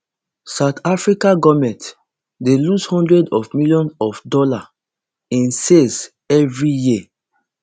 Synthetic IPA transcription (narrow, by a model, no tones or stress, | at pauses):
saʊtʰafɹikaɡɔmɛ̃nt | delushɔ̃ndɹɛdɔfmilijɔ̃nɔfdɔla | ĩnses | ɛvɹiji